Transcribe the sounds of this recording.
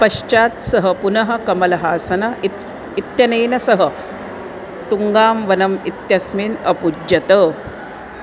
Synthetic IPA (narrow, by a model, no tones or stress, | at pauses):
pɐɕt͡ʃaːt̪sɐɦɐpunɐɦɐ̆kɐmɐlɐɦaːsɐnɐi | it̪jɐnɐjnɐsɐɦə | t̪uŋɡaːmʋɐnɐmit̪jɐsmiːnɐpud͡ʑɐt̪ə